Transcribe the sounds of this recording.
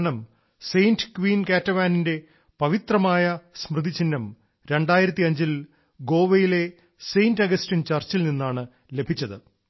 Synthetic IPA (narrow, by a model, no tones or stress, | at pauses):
nɐm | sejndɨkʋiːnkaːtːɐʋaːninde̞ | pɐʋit̪rɐmaːjɐsmrɨd̪it͡ɕːinːɐm | ɾe̞ɳɖaːjiɾɐt̪ːiɐɲd͡ʑil | ɡo̞ːʋɐjile̞ | sejndɐɡɐstint͡ɕɐrt͡ɕilninːaːɳɨ | lebʱit͡ɕːɐðɨ